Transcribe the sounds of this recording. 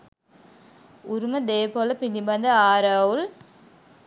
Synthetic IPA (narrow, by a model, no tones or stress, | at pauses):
ʊɾumɐd̪eːpoːlɐpilːibɐnd̪ɐaːɾɐwul